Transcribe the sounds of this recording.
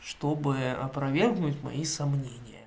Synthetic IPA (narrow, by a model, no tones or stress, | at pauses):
ʂt̪obɨɐ̰pɾɐvʲerɣnʊtʲmɐ̰isɐmnʲenʲɪjə̰